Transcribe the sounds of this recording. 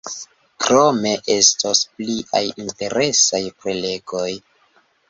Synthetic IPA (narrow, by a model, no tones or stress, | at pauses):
kɾo̞me̞ʔe̞stospliʔa̰jinte̞ɾe̞sajpɾele̞ɡo̞j